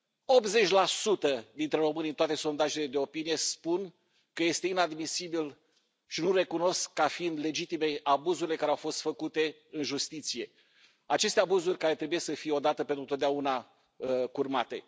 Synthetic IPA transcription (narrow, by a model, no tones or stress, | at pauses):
o̞p̪̚ze̞t͡ʃʲlasut̪əd̪int̪ɾe̞ɾo̞mɨnʲint̪at̪e̞so̞nd̪aʒe̞le̞d̪e̞o̞pinije̞spun | kəje̞st̪e̞inad̪misibil | ʃinuɾe̞kuno̞skːafiind̪le̞d͡ʒit̪ime̞abuzuɾile̞kaɾeawfo̞st̪fəkut̪e̞ | ɨnʒust̪it̪sije̞ | at͡ʃe̞st̪e̞abuzurʲkaɾet̪ɾe̞bujesəfijeo̞d̪at̪əpe̞nt̪ɾut̪ot̪d̪auna | kurmat̪e̞